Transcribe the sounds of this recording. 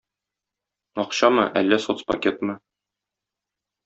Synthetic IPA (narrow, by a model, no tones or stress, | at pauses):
ɒqɕɑmɤ̰ʔælːæsot̪spɐkʲet̪mɤ